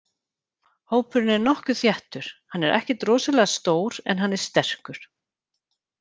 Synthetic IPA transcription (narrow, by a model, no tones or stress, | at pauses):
hoːwpʏɾɪnɛɾnɔhkʏθjɛht̪ʏɾ̥hanːɛɾʔɛ̰hcɪt̪rɔːsalɛɣast̪oːwɾɛ̰nɦanːɛɾ̥st̪ɛr̥kʏɾ̥